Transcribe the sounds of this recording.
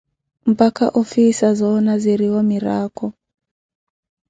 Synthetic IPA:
m̩paka̰ʔɔfisazɔːnaziɾiwɔmiɾaːkɔ

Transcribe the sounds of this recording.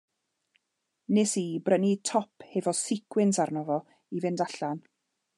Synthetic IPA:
nɪsibrənitʰɔpʰhevɔsɪkʰwɪnsarnɔvɔ | ivɪndaɬan

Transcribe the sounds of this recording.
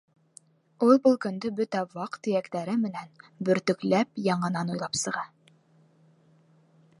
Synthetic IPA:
ulˠbulˠkɵ̆nd̪ɵbɵt̪æwɑqt̪ːɘ̆jækt̪æɾɘmɘ̆nænbɵ̆ɾt̪ɵ̆klæpjɑɴɤ̆nɑnujlˠɑpsɤ̆ʁɑ

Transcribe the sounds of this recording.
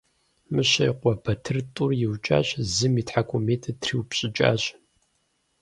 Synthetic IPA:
mɨɕɐjqʷɔbɐtʰɨrtʼʊrjɪwt͡ʃʼa̰ːɕzɨmiːtħakʷʰʼʊmeːtʰɐtʰriwpɕʼɪt͡ʃʼa̰ːɕ

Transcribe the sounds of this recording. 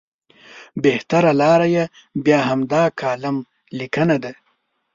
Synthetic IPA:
beht̪aɾalɑːɾaje | bjɑːɦamd̪ɑkʰɑːlam | likənad̪a

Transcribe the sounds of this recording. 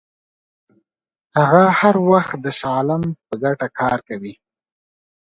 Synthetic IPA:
haɣahaɾwaxt̪̚d̪əsɑlɪmpəɡaʈakʰɑɾkawi

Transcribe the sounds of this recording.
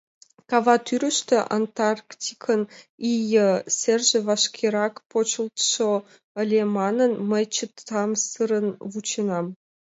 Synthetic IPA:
kɑvɑt̪yɾə̆ʃt̪ĕʔa̰nt̪ɑrktʲikʰənijəsʲerʒĕvɑʃkʲʰiɾɑkpot͡ɕə̆lt̪ʃo | ə̆lʲemɑnənməjt͡ɕət̪ːɑmsɨɾənvut͡ɕənɑm

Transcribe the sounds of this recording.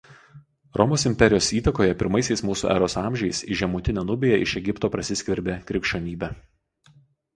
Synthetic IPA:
ɾʔɔmoːsɪmʲpʲɛɾʲɪjoːsiːt̪ɐkoːjɛpʲɪ̰ɾmɐɪsʲɛɪsmuːsṵːʔɛ̰ɾoːsɑːˑmʲʒʲɛɪsiʒʲɛmuːt̪ʲɪnʲɛːnʊbʲeːjɛɪ̰ʃʲɛɡʲɪpt̪oːpɾɐsʲɪsʲkʲʋʲɪɾʲbʲeːkɾʲɪkʲʃʲt͡ʃʲoːnʲiːbʲæ

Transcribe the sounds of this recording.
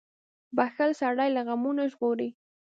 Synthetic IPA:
baxalsaɽajlaɣamunaʒɣoɾi

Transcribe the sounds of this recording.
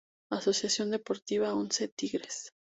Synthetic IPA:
aso̞sjasjo̞nd̪e̞po̞ɾt̪iβaonset̪iɣɾes

